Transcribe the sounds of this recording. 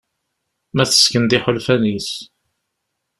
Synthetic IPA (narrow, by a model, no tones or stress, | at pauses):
mæθə̥skənd̪ɪħolfænis